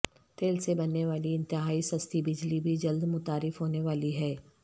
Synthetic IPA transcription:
t̪eːlsebɐnːeʋaːliɪ̃nt̪ɪɦaːisɐst̪ʰibɪd͡ʒlibʱid͡ʒɐld̪mʊt̪aːɾɪfɦoːneʋaːliɦɛː

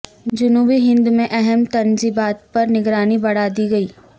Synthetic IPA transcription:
d͡ʒʊnuːbiɦɪ̃nd̪umẽʔɛɦɛmt̪ɐnzibaːt̪̚pɐɾnɪɡɾaːnibɐɽ̤aːd̪iɡɐiː

